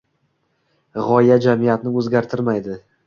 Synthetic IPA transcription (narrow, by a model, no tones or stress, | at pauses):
ʁɒjad͡ʒamɪjat̪nɪɵzɡʲaɾt̪ʰɪɾmajd̪ɪ